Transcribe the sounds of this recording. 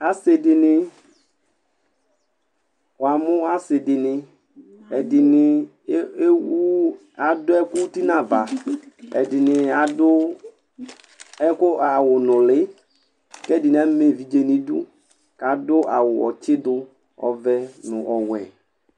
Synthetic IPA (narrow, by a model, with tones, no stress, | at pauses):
a˦se˨dɪ˨nɪ˨ | wa˨mʊ˦a˦sɪ˨dɪ˨nɪ˨ | ɛ˨dɪ˨nɪ˨˦ | wu˦ | a˨dʊ˦ɛ˦kʊ˦ti˦na˨va˨ɛ̰˨dɪ˨nɪ˨a˨dʊ˦ | ɛ˦kʊ˦a˨wʊ˨nʊ̃˨lɪ˦ | kɛ˦˨dɪ˨n˨a˦me˨vi˨d͡ʒe˨ni˦dṵ˦ | ka˨dʊ˦ʔa˨wʊ˨ɔ̰˨t͡ʃɪ˦dʊ˦ | ɔ̰˨vɛ˦nʊ̃˨ʔɔ˨wɛ̰˨